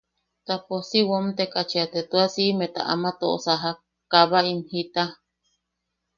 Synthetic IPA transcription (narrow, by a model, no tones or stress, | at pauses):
t̪aposiwomt̪ekat͡ʃiat̪et̪uasiʔmet̪a̰ʔamat̪oʔosaɦa | kaβaimhit̪a